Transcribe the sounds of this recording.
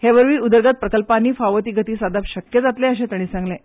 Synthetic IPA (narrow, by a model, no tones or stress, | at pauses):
heʋəɾʋiːud̪əɾɡat̪̚pɾəkəlpanːiːfaʋət̪iːɡʱət̪iːsad̪apɕəkjəd͡zat̪lẽəɕẽt̪əɽ̃iːsãŋɡlẽ